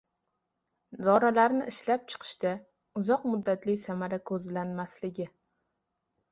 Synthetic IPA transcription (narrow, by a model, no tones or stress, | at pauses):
d̪ɒɾalaɾnɪʔɪʃlap̚t͡ʃʰɨ̥qʰɨ̥ʃt̪a | ʊzɒqmʊd̪ːat̪lɪsamaɾakʰɵzlanmaslɪɡʲɪ